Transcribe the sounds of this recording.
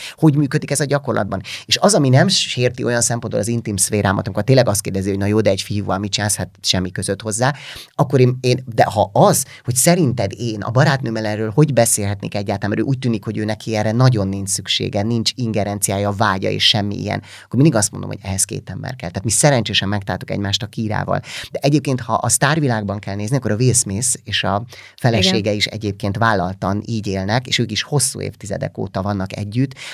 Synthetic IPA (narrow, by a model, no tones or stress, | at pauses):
ho̞ɟmyːkød̪ikɛzɒɟɒko̞rlɒ̰d̪̚bɒneːʃɒzɒminɛmʃeːrt̪io̞jɒnsɛmpo̞nd̪bolɒzint̪imsʋeːɾʔaːmʔɒt̪ɒmikort̪eːnlɛɡɒst̪keːrd̪ɛziho̞ɟnɒjoːd̪ɛːɟfijuːvɒlmit͡ʃinaːshɛt̪ʃɛmːikøzøt̪ho̞zːaːɒkːo̞ɾeːneːnd̪ɛ̰hɒʔɒz | ho̞csɛɾint̪ɛd̪eːnɒ̰bɒɾaːt̪nøːmɛlɛnrøːlho̞ɟbɛseːlɦɛt̪nḛːkɛɟːaːlt̪alnmɛɾø̰ːʔuːc̚ʲt̪yːnikho̞ɟøːnɛkʰiɛrːɛnɒɟo̞nːinssykʃḛːɡɛnint͡ʃiŋɡɛɾɛnt̪sijaːjɒvaːɟɒ̰ḛːʃʃɛmːḭʔḭjɛ̰n | ɒ̥kːormind̪iɡɒst̪mond̪omho̰ɟɛɦɛskḛːt̪ɛmbɛ̰rkɛlt̪ɛaːt̪misɛɾɛnt͡ʃeːʃɛmːɛk̚t̪aːlt̪ukɛ̰ɟmaːʃt̪ɒkiːɾa̰ːvɒ̰ld̪̥ɛʔɛɟeːp̚keːnt̪hɒʔɒst̪aːrvilaːɡ̚bɒŋkɛlneːzniɒkːoɾɒveːsmeːseːʃɒ | fɛlɛʃeːɡɛiʃɛ̰ɟeːp̚keːnt̪vaːlːɒlt̪ɒniːɟeːlnɛkḛːʃøːkiʃho̞sːṵːḛːft̪izɛ̰d̪ɛ̰ko̰ːt̪ɒvɒnːɒkɛɟːyt̪ː